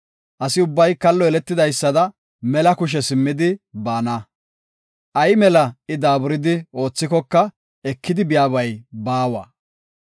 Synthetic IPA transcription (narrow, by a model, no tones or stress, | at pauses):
ʔɐsɪʊbːɐjkɐlːɔɛlɛt̪ːɪd̪ɐjsːɐd̪ɐ | mɛlɐkʊʃ̬ɛsɪmːɪd̪ɪbaːna | ʔɐjmɛlɐɪd̪aːbʊɾɪd̪ɪo̞ːt͡sːɪkɔkːɐ | ɛkːɪd̪ɪbɪjaːβɐjbaːwa̰ː